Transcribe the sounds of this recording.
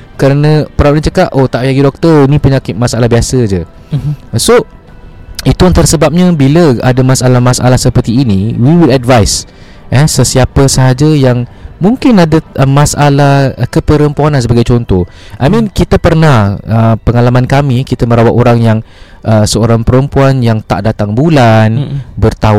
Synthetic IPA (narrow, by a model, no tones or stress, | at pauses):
kəɾanə̃pəɾawaʔ̚ɲat͡ʃəkaʔʔot̪aʔwjaɡidɔk̚t̪əinĩpəɲakɪt̪̚masalahbiasəd͡ʒə | so | it̪uant̪aɾasəbap̚ɲabiləa̰damasalahmasa̰lahsəpərt̪iːniwiwiladvajs | ʔəsəsiapəsəɦad͡ʒajaŋmũŋkɪnadamasalahkəpəɾəmpuanansəbaɡajt͡ʃɔnt̪ɔh | ʔa̰jmĩnkit̪əpərnahəpəŋalamankamikit̪əməɾawat̪oɾaŋjaŋ | ʔəsəoɾaŋpəɾəmpuanjaŋt̪a̰ʔdat̪aŋbulanbərt̪a